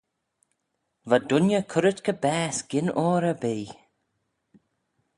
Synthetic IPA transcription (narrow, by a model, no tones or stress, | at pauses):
vadʊnjəkʰʊɾət̪kʰəbɛːsɡ̥ɪnɔːɾəbeː